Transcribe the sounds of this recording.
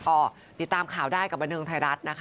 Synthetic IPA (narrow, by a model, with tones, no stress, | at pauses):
kɔː˥˩ | t̪i˨˩t̪ːaː˧mkʰaː˨˩wdaː˥˩jka˨˩p̚ba˧nːtʰɯː˧ŋt̪ʰa˧jɾa˦˥t̪̚na˦˥kʰ